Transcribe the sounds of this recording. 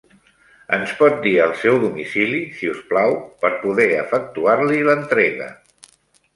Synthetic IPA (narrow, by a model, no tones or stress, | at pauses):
ənspɔt̪̚d̪iəlˠsɛwðumisilisiusplawpəɾpuðɛəfək̚t̪uaɾlilənt̪ɾɛɣə̰